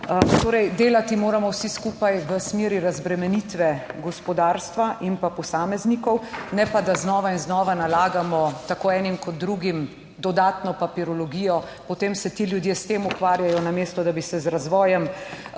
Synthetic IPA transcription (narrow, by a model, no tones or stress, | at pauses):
t̪oːɾɛjd̪eːlat̪imoːɾamɔwsiskuːpajʋəsmeːɾiɾazbɾɛmɛnit̪ʋɛɡɔspɔd̪aːɾst̪ʋaʔinpapɔsaːmɛznikɔwnɛpad̪aznɔːʋainznɔːʋanalaːɡamɔt̪akoːɛːnimkɔd̪̚ːɾuɡim | d̪ɔd̪aːt̪nɔpapiɾɔlɔɡiːjɔ | pɔt̪eːmsɛt̪iljud̪jeːst̪eːmukʋaːɾjajɔnameːst̪ɔd̪abisɛzɾazʋɔːjɛm